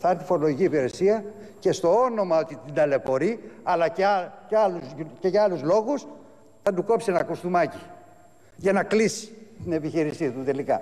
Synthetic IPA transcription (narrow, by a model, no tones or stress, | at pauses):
θɐɾt̪i̥fo̞ɾo̞lo̞ʝiciːpiɾe̞siɐ | ce̞st̪o̞o̞no̞mɐo̞t̪it̪id̪ɐle̞po̞ɾiɐlɐceɐceɐlusceʝɐɐluzlo̞ɣus | θɐd̪uko̞psienɐkust̪umɐci̥ | ʝɐnɐklisi̥t̪ine̞piçiɾisit̪ut̪e̞likɐ̰